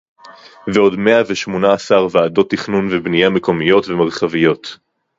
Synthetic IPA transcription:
veo̞dme̞aveʃmo̞naːsaʁvaːdo̞t̪ːiχnunvebnijame̞ko̞mijo̞tvemaʁχavijo̞t

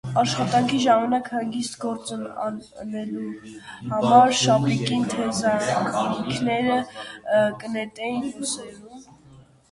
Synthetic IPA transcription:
ɑʃχɑt̪ɑŋkʰiʒɑmɑnɑkhɑŋɡist̪ɡɔɾt͡sənɑ̰nɛluhɑmɑɾʃɑpikint̪ʰɛzɑikʰnɛɾə | kənɛt̪ɛjinjusɛɾum

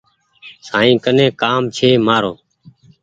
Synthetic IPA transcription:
saːĩːkənẽːkaːmt͡ʃʰeːmaːɾõː

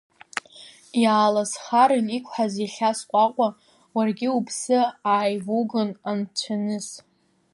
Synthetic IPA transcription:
jaːlasχaɾɨnikʷʰʼħaziɬʲasqʷʼaqʷʼa | warɡʲɪupʰsɨaːjvuɡɨnant͡ʃʷʰanɨs

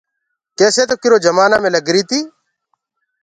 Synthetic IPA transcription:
k̪eːseːt̪̬oːkɪɾoːd͡ʒəmaːnaːmẽːləɡɾiːt̪iː

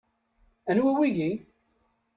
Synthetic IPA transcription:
ə̃nhuəwiji

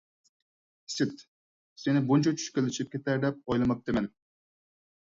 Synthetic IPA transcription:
sɪt̪ | senɪbunt͡ʃʰɔt͡ʃʰy̥ʃkʲelːɪʃip̚kʲet̪ʰæɾd̪ɛp̚ojlˠɨmɑp̚t̪emɛn

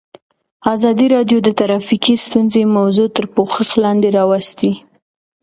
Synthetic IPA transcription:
ɑzɑd̪iɾɑɖjod̪ət̪aɾɑfikist̪unzemawzot̪əɾpoxəxlɑnd̪eɾɑwast̪i

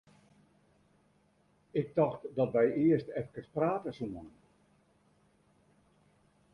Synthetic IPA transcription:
ɪk̚tɔxtdɔtʋɛjɪəstɛfə̥kəspraːtəsumɔnn

